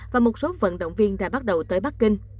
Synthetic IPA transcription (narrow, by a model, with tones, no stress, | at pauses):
vaː˨˩mo˨˩t̚so˨˦və̰˧˨nɗə̰˧˨wŋ͡mvi˧ənɗa̰ː˧˥ɓa˦˥t̚ɗə˨˩wt̪əː˨˦jɓa˦˥k̚kï˧ŋ